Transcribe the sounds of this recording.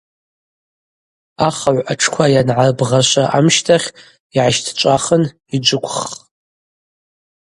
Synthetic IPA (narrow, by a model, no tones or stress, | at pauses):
aχaʕʷaʈ͡ʂʰkʷʰajanʕarbʁaʃʷaʔamʃtʰaχʲ | iʕaʃtʰt͡ʃʷʼaχən | id͡ʒʷʊkʷʰʼχ